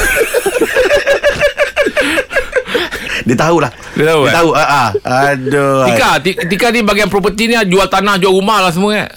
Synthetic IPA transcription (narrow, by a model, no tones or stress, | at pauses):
diat̪aulah | diat̪auat̪auəʔaadoikat̪ikət̪ikanibaɡijaŋpɾop̬ət̪iniad͡ʒualt̪anahd͡ʒuaumahlahs̬əmua̰